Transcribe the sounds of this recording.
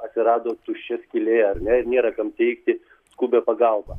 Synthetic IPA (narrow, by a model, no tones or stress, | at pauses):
ɐt̪ʲsʲɪɾɑːd̪oːt̪ʊʃʲt͡ʃʲɛsʲkʲɪlʲeːjɛɐɾʲnʲɛɪɾnʲeːɾɐkɐmt̪ʲɛɪk̚t̪ʲɪ | skuːbʲɛːpɐɡɐlˠbɐ